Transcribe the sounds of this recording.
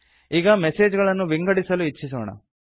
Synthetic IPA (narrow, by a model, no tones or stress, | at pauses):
iːɡɐmese̞ːd͡ʒɡɐɭɐnːuʋiŋɡɐɽisɐluit͡ʃːis̬oːɳɐ̰